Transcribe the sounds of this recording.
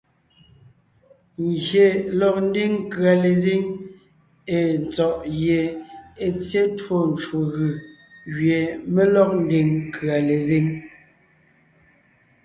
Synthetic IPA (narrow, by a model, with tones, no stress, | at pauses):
ŋɣje˨lɔ˨k̚n̩˦di˦ŋ˦kɰa˨le˨zi˦ŋ | e˨n̩˨t͡sɔ˨ʔje˨e˨t͡sje˦two˦˨n˨t͡ʃwo˨ɣɯ˨ | ɣɥe˨me˦lɔ˦k̚n̩˦di˨ŋkɰa˨le˨zi˦ŋ